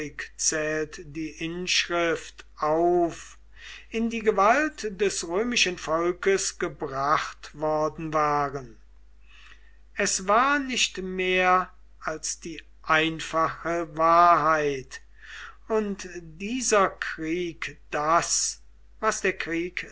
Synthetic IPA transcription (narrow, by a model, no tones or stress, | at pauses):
ɪkt͡sɛːltdiːʔɪnʃʁɪftʔaʊf | ʔɪndiːɡəvaltd̥ɛsʁøːmɪʃənfɔlkəsɡ̥əbʁaχtv̥ɔʁdn̩vaːʁən | ʔɛsvaːɐnɪçtmeːɐ | ʔalsd̥iː | ʔaɪnfaχəvaːɐɦaɪt | ʊntd̥iːzɐkʁ̥iːkd̥as | vasd̥eːɐkʁ̥iːk